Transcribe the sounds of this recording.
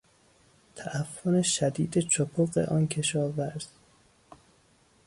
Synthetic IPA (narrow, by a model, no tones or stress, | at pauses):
t̪ʰæʔæfːoneʃæd̪iːd̪et͡ʃʰopʰoɢḛʔɒːnkʰe̞ʃɒːvæɾz̥